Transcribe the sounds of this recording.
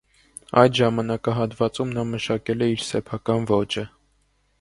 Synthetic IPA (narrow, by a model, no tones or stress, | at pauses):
ɑjd̪ʒɑmɑnɑkɑɦɑt̪vɑt͡sumnɑməʃɑkɛlɛiɾsɛpʰɑkɑnvɔt͡ʃə